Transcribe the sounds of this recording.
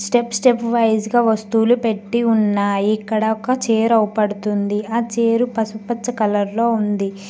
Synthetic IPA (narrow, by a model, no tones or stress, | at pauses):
sʈepsʈepʋɐjsɡaːʋɐst̪uːlupe̞ʈːiunːaːjikːɐɽɐɔkːɐt͡ʃeːɾɐwupɐɽut̪und̪iaːt͡ʃeːɾupɐsupɐt͡ʃt͡ʃːɐkɐlɐɾlo̞ːund̪i